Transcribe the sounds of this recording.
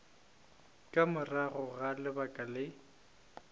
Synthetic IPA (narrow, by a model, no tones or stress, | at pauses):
kʼamʊraɣʊɣalɪbakʼalɪ